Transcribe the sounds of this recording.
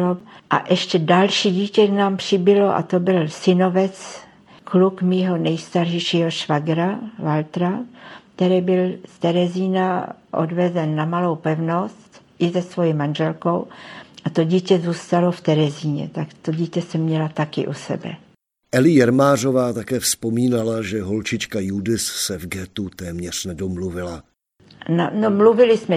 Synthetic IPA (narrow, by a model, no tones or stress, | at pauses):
oʔa̰ʔɛʃcɛdalʃiːɟiːcɛnaːmpr̝̥ɪbɪlo̞ʔa̰t̪o̞bɪlsɪno̞vɛt͡s | klukmiːɦo̞nɛjst̪arʒɛjʃiːɦo̞ʃvaɡɾavalt̪ɾakt̪ɛɾɛːbɪlst̪ɛɾɛziːnaʔo̞̰dvɛzɛnːamalo̞wpɛvno̞st̪ʔɪzɛsvo̞jimanʒɛlko̞wʔat̪o̞ɟiːcɛzuːst̪alo̞ft̪ɛɾɛziːɲɛ̰t̪akt̪o̞ɟiːcɛsɛmɲɛlat̪akɪ̰ʔusɛ̰bɛ̰ | ʔɛlɪjɛɾmaːr̝ovaːt̪akɛːfspo̞miːnalaʒɛɦolt͡ʃɪt͡ʃkajudɪssɛvɡɛt̪ut̪ɛːmɲɛr̝̥nɛdomluvɪla | nanomluvɪlɪsmɛ